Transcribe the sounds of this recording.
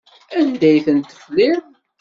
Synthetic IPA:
ænd̪æjθənt̪ə̥flið

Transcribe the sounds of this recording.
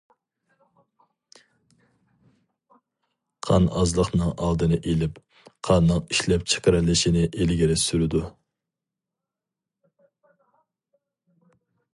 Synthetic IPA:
qʰɑnɑzlˠəqnɨŋɑlˠd̪ɨnɨʔelɪp | qʰɑnːɨŋiʃlɛp̚t͡ʃʰe̥qɾɨlːɪʃinɪʔelɡʲiɾɪsyɾɪd̪u

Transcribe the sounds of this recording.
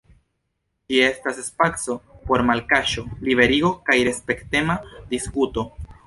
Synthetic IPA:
d͡ʒie̞stasespakso̞po̞ɾmalkaʃo̞libe̞ɾiɡo̞kajɾe̞spe̞kte̞madiskuto̞

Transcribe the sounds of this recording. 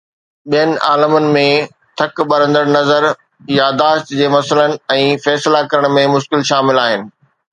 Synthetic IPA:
ɓijənɪ̆ʔa̰ːləmənɪ̆mẽ | t̪ʰɐkɓɐɾə̃nd̪əɾnɐzəɾ | jad̪aːʃt̪d͡ʑeːmɐsələnɪ̆ɛ̃ːfɛːslakɐɾəɽ̃mẽmʊʃkɪlʃaːmɪlaːɦɪnɪ̆

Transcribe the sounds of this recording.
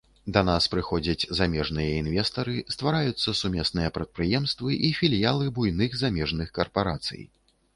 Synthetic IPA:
d̪ɐnaspɾɨxɔd͡zʲɐt͡sʲzamʲɛʐnɨjɐinvʲɛst̪ɐɾɨst̪vaɾajut̪sːɐsumʲɛsnɨjɐpɾɐt̪̚pɾɨjɛmst̪vɨʔifʲilʲijalˠɨbujnɨxzamʲɛʐnɨxkɐrpaɾat̪sɨ̰j

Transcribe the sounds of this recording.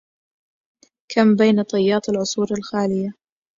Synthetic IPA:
kʰambajnat̪ˤɑjːɑːt̪ˤlʕʊsˤuːɾalxaːlɪja

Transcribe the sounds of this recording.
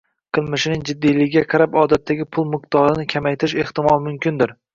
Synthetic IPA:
qʰɨlˠmɪʃɪnɪŋd͡ʒɪd̪ːijlɪɡʲɡʲaqʰɑɾapɒd̪at̪ʰːaɡʲɪpʰʊlˠmɪq̚t̪ɒɾɪnɪkʲʰamajt̪ʰɪɾɪʃe̞ht̪ɪmɒlˠmʊmkʲɪnd̪ɪɾ

